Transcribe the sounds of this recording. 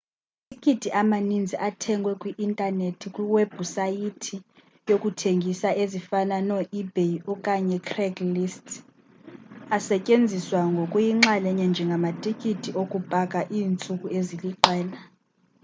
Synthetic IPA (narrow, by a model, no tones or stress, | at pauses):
tʰikʼitʰiʔamanind͡zʱiʔatʰɛŋɡʱwɛkʼwiʔintʼanetʰikʼwiweb̥ʱusajitʰi | jokʼutʰeŋɡʱisaʔezifananɔʔibʱejɔkʼaɲɛkʰrɛɡlistʰʼ | asɛcʼend͡zʱiswaŋɡʱokʼujiŋ͡ǁalɛɲɛnd͡ʒʱɛŋɡʱamatʰʼikʰʼitʰiʔokʼub̥ʱakʼaʔiːnt͡sʼukʼueziliǁʱɛːla